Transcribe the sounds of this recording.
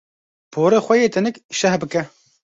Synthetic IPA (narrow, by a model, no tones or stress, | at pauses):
pʰoːɾeːxʷɛjeːt̪ʰɨnɛkʃɐɦbɨkɛ